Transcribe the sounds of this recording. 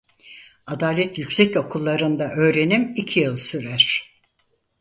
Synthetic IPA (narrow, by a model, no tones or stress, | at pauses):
ad̪aːlʲɛt̪jycʲsɛco̞kʰulˠːaɾɯnd̪aʔø̞ːɾe̞nimicʰijɯlˠsyɾæɾ̥